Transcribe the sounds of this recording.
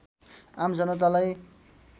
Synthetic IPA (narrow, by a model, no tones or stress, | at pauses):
amd͡zʌnʌt̪̬alaj